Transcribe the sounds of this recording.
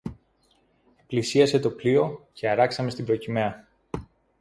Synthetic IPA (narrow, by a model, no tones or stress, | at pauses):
eplisiɐse̞t̪o̞plio̞ce̞ɐɾɐksɐme̞st̪ibɾo̞cimeɐ